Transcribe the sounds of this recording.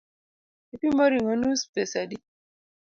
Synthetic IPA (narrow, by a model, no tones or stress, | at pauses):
epimɔɾiŋonuspesadi